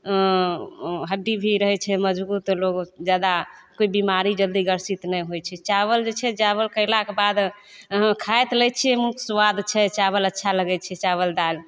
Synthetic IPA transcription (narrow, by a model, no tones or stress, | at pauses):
ɦəɖːibʱiɾəɦɛt͡ʃʰɛməd͡ʒbut̪loɡd͡ʒad̪akoibimaɾid͡ʒəld̪iɡəɾsit̪nɛjɦojt͡ʃʰɛt͡ʃaβəld͡ʒet͡ʃʰɛd͡ʒaβəlkəɪlakebad̪ | ɦə̃kʰajt̪lɛt͡ʃʰɛmusʋad̪t͡ʃʰɛt͡ʃaβələtːʃʰaləɡɛt͡ʃʰɛt͡ʃaβəld̪al